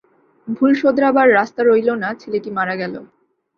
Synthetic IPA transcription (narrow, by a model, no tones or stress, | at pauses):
bʱulʃod̪ɾabaɾːast̪aɾojlonat͡ɕʰeleʈimaɾaɡɛlo